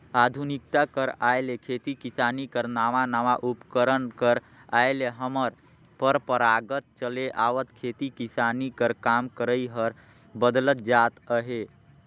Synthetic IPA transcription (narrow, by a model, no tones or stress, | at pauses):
ad̪ʱunikt̪akəɾaelekʰet̪ikisanikəɾnaːʋanaʋaʔupkəɾənkəɾ | aeleɦəməɾ | pəɾpəɾaɡət̪̚t͡ʃəleʔaːʋət̪kʰet̪ikisanikəɾkamkəɾəiɦəɾ | bəd̪lət̪̚d͡ʒat̪əɦe